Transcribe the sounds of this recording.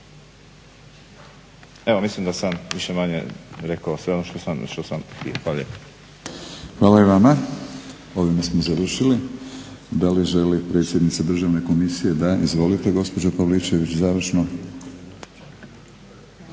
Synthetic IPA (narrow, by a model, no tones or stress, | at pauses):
eʋomislimd̪asamʋiʃemaɲḛɾekaosʋe̞onoʃt̪osamʃt̪osamk̪ḭoxʋaːlalʎḛp | xʋaːlaiʋama | o̞ʋimasmozaʋr̩ʃili | d̪aliʒe̞lipɾe̞t̪sjed̪nit̪sad̪r̩ʒaʋne̞ko̞misije̞d̪aizʋo̞lit̪e̞ɡo̞spo̞d͡ʒapaʋlit͡ʃe̞ʋit͡ɕzaːʋr̩ʃno̞